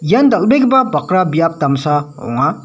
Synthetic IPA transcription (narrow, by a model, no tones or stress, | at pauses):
jandɐlbeɡibabakɾabijap̚t̪amsaɔ̰ŋa